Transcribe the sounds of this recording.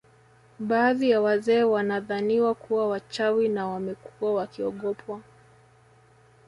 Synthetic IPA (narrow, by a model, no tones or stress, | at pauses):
ɓaːðijawazɛːwanaðaniwakuwawat͡ʃawinawamɛkuwawakiɔɠɔpʰwa